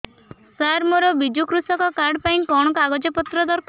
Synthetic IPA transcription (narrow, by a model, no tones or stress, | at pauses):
saɾmɔɾɔbid͡ʒukɾusɔkɔkaɾɖpaj̃kɔɽ̃ɔkɔaɡɔd͡ʒɔpɔt̪ɾɔd̪ɔɾkʰ